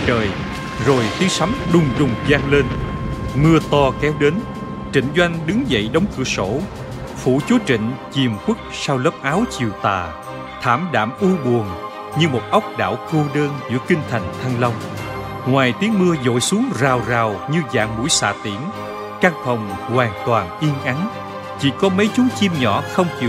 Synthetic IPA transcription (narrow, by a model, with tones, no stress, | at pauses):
t͡ɕəː˨˩j | zo˨˩jt̪i˨˦əŋsa˨˦mɗʊ˨˩ŋ͡mɗʊ˨˩ŋ͡mzaː˧ŋle˧nmɨ˧ət̪ɔ˧kɛ˨˦wɗe˨˦n | t͡ɕḭ˧˨ŋ̟zwa˧jŋ̟ɗɨ˨˦ŋzə̰˧˨jɗə˨˦wŋ͡mkɨ̰˧˩əso̰˧˥ | fṵ˧˩t͡ɕu˨˦t͡ɕḭ̈˧˨ŋ̟t͡ɕi˨˩əmkwɨ˦˥k̚saː˧wlə˦˥p̚ʔaː˨˦wt͡ɕi˨˩əwt̪aː˨˩ | t̪ʰa̰ː˧˩mɗa̰ː˧˨mʔu˧əɓu˨˩əŋ | ɲɨ˧mo˨˩t̚ʔə˦˥wk͡p̚ɗa̰ː˧˩wko˧ɗəː˧nzɨ̰˧˥əkï˧ŋ̟t̪ʰa˨˩jŋ̟t̪ʰa˧ŋlə˧wŋ͡m | ŋwaː˨˩jt̪i˨˦əŋmɨ˧əzo̰˧˨jsu˨˦əŋzaː˨˩wzaː˨˩wɲɨ˧za̰ː˧˨ŋmu˧˩˥jsa̰ː˧˨t̪i˧˩ən | kaː˧ŋt̪ʰə˨˩wŋ͡m | hwaː˨˩ŋt̪waː˨˩nʔi˧ənʔa˨˦n | t͡ɕḭ˧˥kɔ˨˦mə˨˦jt͡ɕʊ˨˦ŋt͡ɕi˧mɲɔ̰˧˥xə˧wŋ͡mt͡ɕi˧˨